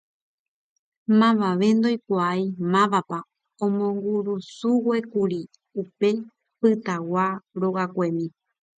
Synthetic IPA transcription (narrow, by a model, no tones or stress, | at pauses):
mãʋaʋe̞nd̪o̞jkʷaajimãʋapa | õmõ̞ŋɡuɾusuwe̞kuɾi | upe̞ | pɨt̪awaɾo̞ɣakʷemĩ